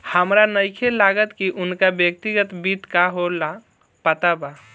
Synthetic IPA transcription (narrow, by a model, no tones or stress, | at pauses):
həmɾanəjkʰelaɡət̪kiʔʊnkabjək̚t̪iɡət̪bit̪kaɦola | pət̪aba